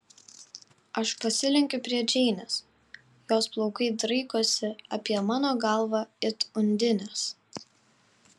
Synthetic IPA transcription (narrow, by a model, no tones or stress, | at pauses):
ɐʃpɐsʲɪlʲɪŋʲkʲʊpʲɾʲiɛd͡ʒʲɛɪnʲɛs | joːsplˠɔʊkɐɪd̪ɾɐɪkuɔsʲɪɐpʲiɛmɑːnoːɡɐˑlˠʋɑɪt̪ʊnʲd̪ʲɪnʲɛs